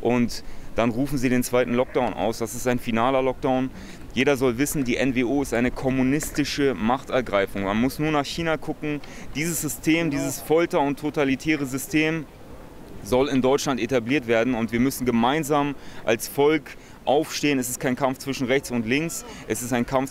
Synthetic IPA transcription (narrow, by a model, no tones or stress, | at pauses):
ʔʊntd̥anʁuːfn̩ziːɾeːnt͡sv̥aɪtn̩lɔk̚d̥aʊnʔa̰ʊsd̥asɪstaɪnfinaːlɐlɔk̚d̥aʊn | jeːɾɐzɔlvɪsn̩diːʔɛnveːʔoːɪstʔaɪnəkʰɔmunɪstɪʃəmaχtɛɐɡʁaɪfʊŋmanmʊsnuːɐnaːχçiːnakʰʊkŋ̩d̥iːzəsz̥ʏstʰeːmdiːzəsfɔltɐʊntʰːotalitʰɛːʁəzʏstʰeːm | zɔlɪndɔʏt͡ʃʃlantetabliːɐtv̥eːɐdn̩ʊntv̥iːɐmʏsn̩ɡəmaɪnzaːmʔa̰lsfɔlk | ʔaʊfʃteːənɛsɪst̚kʰaɪnkʰamft͡sv̥ɪʃn̩ʁɛçt͡sʊntlɪŋksʔɛsɪstaɪnkʰamf